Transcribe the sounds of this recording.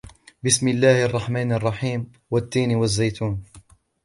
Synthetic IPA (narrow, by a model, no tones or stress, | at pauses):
bɪsmɪlːaːhʔɑrˤːɑħmaːnɑrˤːɑħiːm | wat̪ːiːnwazːajt̪ʰuːn